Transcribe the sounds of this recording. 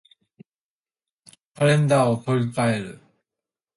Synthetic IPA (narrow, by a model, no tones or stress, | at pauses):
paɾẽ̞nd̪aːot̪oɾʲikae̞ɾɯ̟̰